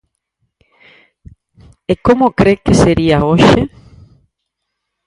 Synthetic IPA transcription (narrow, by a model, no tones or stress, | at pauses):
ekomokɾekeseɾiaoʃe